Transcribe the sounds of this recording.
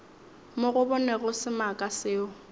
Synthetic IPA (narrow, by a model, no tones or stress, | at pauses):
mʊɣʊbʊnɛɣʊsɪmakʼasɪːʊ